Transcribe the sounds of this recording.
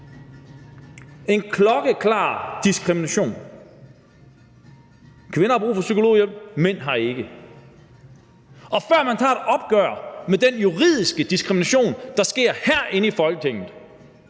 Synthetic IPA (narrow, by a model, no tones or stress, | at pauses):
e̝nkʰlɒ̽ɡ̥əkʰlɑ̰̈ːd̥isɡ̥ʁiminæɕo̝̰ːn | kʰʋe̝nɐhɑ̈b̥ʁṵːfɒ̽sykʰo̝lo̝̰ːjem̰men̰ɦɑ̈e̝ɡ̥ə | ʔɒ̽fɶɐ̰mænt͡sʰɑ̰̈ːed̥ɒ̽b̥̚ɡ̥œɐ̰med̥enjuʁið̞̰ˠisɡ̥əd̥isɡ̥ʁiminæɕo̝̰ːnd̥ɑ̈sɡ̥e̝ɐ̰hæɐ̰ʔe̝nəifɒ̽lɡ̥ət͡sʰeŋ̰ð̩ˠ